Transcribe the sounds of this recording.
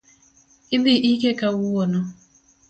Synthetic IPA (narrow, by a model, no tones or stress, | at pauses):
ibiʔikekawuwonɔ